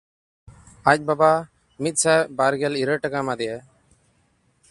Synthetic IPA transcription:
ac̚ˀbaba | mit̪̚sɛbaɾɡɛliɾəʈakamad̪ɛjə

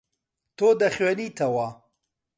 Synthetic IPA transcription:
t̪oːd̪ɐχɥeniːt̪ʰɐwaː

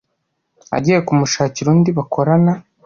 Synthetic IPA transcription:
a̰ɟijekumuʃaːciɾundiβako̞ɾana

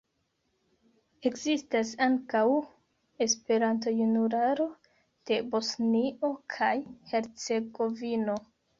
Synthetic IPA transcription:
e̞kzistasaŋkaw | e̞spe̞ɾant̬ojunuɾaɾo̞ | d̥e̞bo̞sniʔo̞kʰajhe̞ɾt͡se̞ɡo̞vino̞

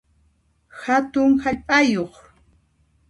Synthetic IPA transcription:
hat̪ʊŋhaʎpʼajoχ

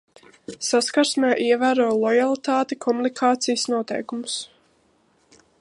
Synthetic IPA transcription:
saskaɾsmɛːʔiɛvæːɾɔɔjlˠɔjalˠit̪aːt̪ikʰɔmunikʰaːt̪sijəsnuɔt̪ɛ̰jkumus

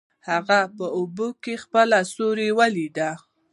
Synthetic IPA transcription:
haɣapəobokexpəlasoɾewalid̪a

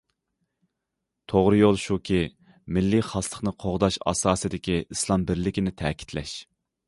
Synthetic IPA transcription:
t̪ʰoʁɾɨjolˠʃukʲʰi | mɪlːiχɑslˠə̥χnɨqʰoʁd̪ɑʃɑ̰sɑːsɨd̪ɪkʲiʔislˠɑmbɪɾlɪkʲinɪt̪ʰɛ̰ːkʲi̥t̪ʰlɛ̰ʃ

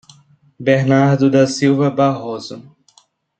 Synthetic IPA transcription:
beɾnaɾd̪ʊd̪ɐsiwvɐbaɦozʊ

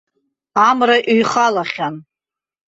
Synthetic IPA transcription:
amraʔɥɥχalaχʲan

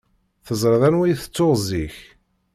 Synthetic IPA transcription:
θəzˤɾˤəðˤænwijθə̥t͡sːoʁziç

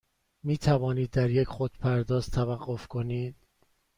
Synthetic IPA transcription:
miːt̪ʰævɒːniːd̪̚ːæɾjecʰxod̪̥pʰæɾd̪ɒːzt̪t̪ʰævæɢːo̞fkʰoniːd̪̥̚

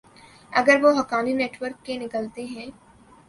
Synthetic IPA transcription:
ɐɡəɾʋoɦɐkaːmineːʈʋəɾkːenɪkəlt̪eɦɛ̃ː

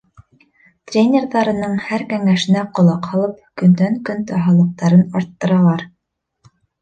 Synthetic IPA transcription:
t̪rʲenʲerðɑɾɤ̆nɤɴhæɾkæŋæʃɘ̆næqŏlˠɑqhɑlˠɤp̚kɵ̆nd̪æŋkɵnt̪ɑɦɑlˠɤ̆q̚t̪ɑɾɤnɑɾt̪ːɤ̆ɾɑlˠɑɾ

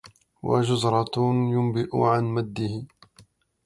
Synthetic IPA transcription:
wa̰d͡ʒʊzɾˤɑt̪njʊmbɪʔʊ̰ʕanmad̪ːɪhɪ

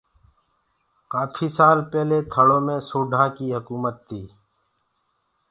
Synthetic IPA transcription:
kaːpʰiːsaːlpɛːleːt̪ʰəɽõːmẽːsoːɖʱãːkiːɦəkuːmət̪ʰːiː

